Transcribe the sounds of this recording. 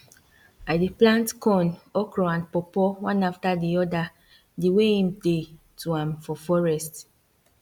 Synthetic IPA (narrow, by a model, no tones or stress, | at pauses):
adiplãntkʰɔ̃nɔkɹɔãnpɔpɔwãnaftadiɔda | diweĩmpe | tuãmfɔfɔɹɛst